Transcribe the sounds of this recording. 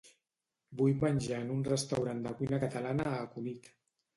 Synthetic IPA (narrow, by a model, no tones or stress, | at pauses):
bujmənʲʒaənunrəst̪awɾand̪əkujnəkət̪alanəːkunit̪